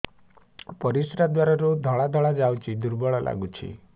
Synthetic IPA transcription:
pɔɾisɾad̪waɾaɾud̪ʱɔɭad̪ʱɔɭad͡ʒawt͡ʃʰid̪uɾbɔɭɔla̰ɡut͡ʃʰḭ

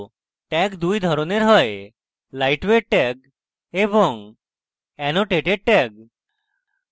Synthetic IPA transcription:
ʈɛkd̪ujd̪ʱɔɾoneɾɦɔj | lajʈʋeʈɛɡ̚ | ebɔŋ | ɛnoʈeʈeɖ̚ʈɛɡ̚

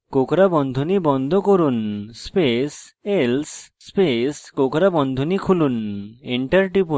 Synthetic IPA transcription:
kokɾabɔnd̪ʱunibɔnd̪ʱɔkoɾunspeselsː | peskokɾabɔnd̪ʱɔnikʰuluneɳʈɐɾʈipu

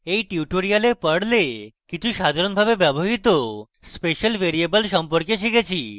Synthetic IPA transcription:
ejʈiuʈoɾialepəɽlekit͡ɕʰuʃad̪ʱaɾonbʱabebɛboɦit̪o | speʃəlbeɾiebəlʃɔmpoɾkeʃiket͡ɕʰi

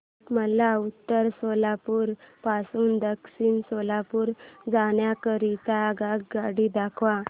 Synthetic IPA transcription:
məlaut̪ːəɾsɔlapuːɾpasuːnd̪əksiːnsɔlapuːɾd͡zaɳjakəɾit̪aɡaɡɡaɽiːd̪akʰʋa

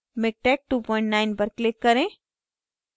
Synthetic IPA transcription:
mɪk̚ʈɛk̚ʈuːpɔ̃ːɪ̃ɳʈnaɪnpəɾklɪkːɐɾẽ

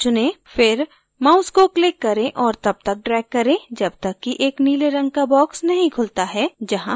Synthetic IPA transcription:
t͡ʃʊnẽfɪɾ | maʊskoklɪkːɐɾẽʔɔːɾt̪ɐb̚t̪ɐk̚ɖɾɛːkːɐɾẽd͡ʒɐbt̪ɐkːiʔeːkniːleɾɐ̃ŋɡkabɔːksnɐɦĩkʰʊlt̪aɦɛd͡ʒɐɦã

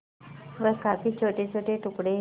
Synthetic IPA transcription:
ʋəkakit͡ɕʰoʈet͡ɕʰoʈeʈukɽe

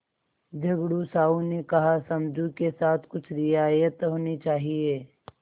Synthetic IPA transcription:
d͡ʒʱɐɡɽusaːunekɐɦasɐmd͡ʒʱukesaːt̪ʰkʊt͡ʃʰɾijajət̪ɦoːnit͡ʃaːɦieː

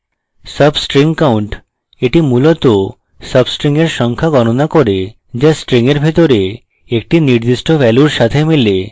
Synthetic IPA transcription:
səbsʈɾiŋkawɳʈ | eʈimulot̪o | səbsʈɾiŋeɾʃɔŋkʰaɡɔñonakoɾe | d͡ʑasʈɾiŋeɾbʱet̪oɾe | ek̚ʈiniɾd̪iʃʈobɛluɾʃat̪ʰemile

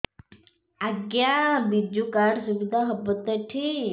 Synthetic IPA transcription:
aɡjabid͡ʒukaːɾsuʋid̪ʱaɦəbət̪əʈʰi

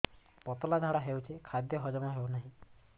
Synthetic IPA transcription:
pɔt̪ɔlad̪ʱaɽaɦewt͡ʃʰikʰad̪jɔɦɔd͡ʒɔmaɦewnaɦĩ

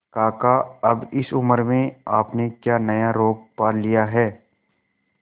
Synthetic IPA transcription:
kaːkaɐbɪsʊməɾmẽaːpnekjaːnɐjaɾoːɡ̚paːɾlijaɦɛː

